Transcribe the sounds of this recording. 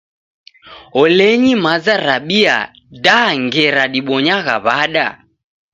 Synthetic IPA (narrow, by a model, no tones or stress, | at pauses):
ɔlɛɲimazaɾaɓia̰ | daŋɡɛɾaɗiɓɔɲaɣa̰βaɗa